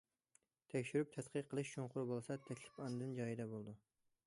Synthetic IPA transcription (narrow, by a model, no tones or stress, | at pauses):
t̪ʰɛkʲʃyɾyp̚t̪ʰɛt̪qʰɨqʰːəlˠɨʃt͡ʃʰoɴqʊɾbolˠsɑt̪ʰɛkʲlɪ̥pɑnːɨd̪ɨnd͡ʒɑjid̪ɛbolˠd̪u